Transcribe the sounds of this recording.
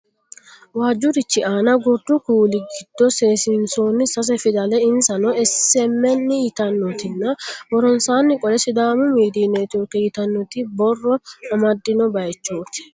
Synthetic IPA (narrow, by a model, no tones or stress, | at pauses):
waːd͡ʒːʊɾɪt͡ʃːɪʔaːnɐɡɔd̪ːʊkuːlɪɡɪd̪̥ːɔseːsɪnsoːnːɪsɐs̬ɛfɪd̪ɐlɛɪnsɐnɔɛsɛmːɛnːɪjɪt̪ɐnːɔt̪ɪnːɐbɔɾɔnsaːnːɪkʼɔlɛsɪd̪aːmʊmiːd̪iːnɛt̪joːkːɛjɪt̪ɐnːɔt̪ɪbɔrːɔɐmɐd̪ːɪnɔbɐjɛt͡ʃːoːt̪ɪ̥